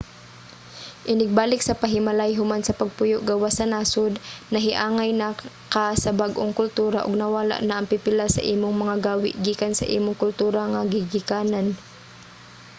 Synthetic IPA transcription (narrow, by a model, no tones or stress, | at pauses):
ʔɪnɪɡ̚baːlɪksɐpɐɦɪmalajɦʊmansɐpɐɡ̚pʊjoʔɡawasɐnaːsʊd̪nɐɦɪʔaːŋajna | kasɐbaɡʔoŋkʊlt̪uːɾaʔʊɡ̚nɐwaːla̰ʔnaʔːŋpɪpɪlasɐ̰ʔiːmʊŋmɐŋaɡaːwɪʔɡiːkansɐ̰ʔḭːmʊŋkʊlt̪uːɾaŋaɡɪɡɪkaːnan